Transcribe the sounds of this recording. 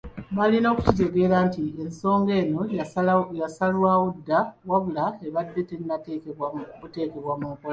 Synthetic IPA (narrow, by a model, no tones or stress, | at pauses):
βalino̞ːku̥cit̬e̞ɡe̞ːɾaːntienso̞ːŋɡe̞ːno̞ | jasalwaːwodːawaβulaeβadːe̞tenːa | ute̞ːke̞βwamuːkol